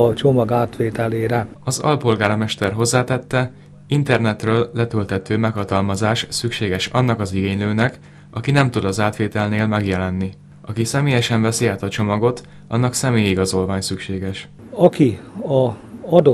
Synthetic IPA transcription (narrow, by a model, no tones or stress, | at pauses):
ɒt͡ʃomɒɡaːt̪ʋeːt̪ɛleːɾɛɒzɒ̰lpo̞lɡaːɾɒmɛʃt̪ɛrɦo̞zːaːt̪ɛt̪ːɛ | int̪ɛrnɛt̪røːlːɛt̪ølt̪ɛt̪øːmɛkhɒt̪ɒlmɒzaːʃsykʃeːɡɛʃɒnːɒkɒziɡeːɲløːnɛk | ɒkinɛmt̪ud̪ɒzaːt̪ʋeːt̪ɛlneːlmɛɡjɛlɛnːi | ʔɒkisɛmeːjɛʃɛɱvɛsiaːt̪ɒt͡ʃo̞mɒɡo̞t̪ | ɒ̰nːɒksɛmeːjiɡɒzo̞lvaːɲsykʃeːɡɛʃ | ɒkiɒɒd̪o